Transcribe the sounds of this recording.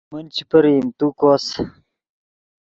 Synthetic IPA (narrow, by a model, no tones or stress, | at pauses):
mənt͡ɕipɐɾiːmt̪ukos